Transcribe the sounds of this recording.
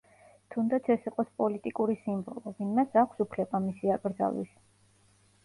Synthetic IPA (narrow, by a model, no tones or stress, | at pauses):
t̪ʰund̪at̪sʰɛsiqʼɔspʼɔlit̪ʼikʼuɾisimbɔlˠɔvinmasakʷʰsupʰlɛbamisiakʼɾd̪za̰lḭs